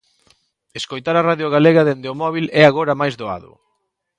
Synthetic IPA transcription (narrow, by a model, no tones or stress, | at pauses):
eskojt̪aɾaraðjʊɣaleɣɐðend̪eʊmɔβilɛaɣoɾɐmajzðoa̰ðʊ̰